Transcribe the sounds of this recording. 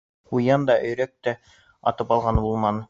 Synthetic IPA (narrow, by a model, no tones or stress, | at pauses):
ujɑnd̪ɑʔɵ̆jɾæk̚t̪æ | ɑ̰t̪ɤpɑlˠʁɑnbulˠmɑn